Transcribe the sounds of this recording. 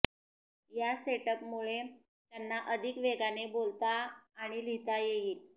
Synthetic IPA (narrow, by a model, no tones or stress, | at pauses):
jaseʈəpmuɭe | t̪janːaʔəd̪ʱikʋeɡanebolt̪aːɽ̃ilit̪ajejiːl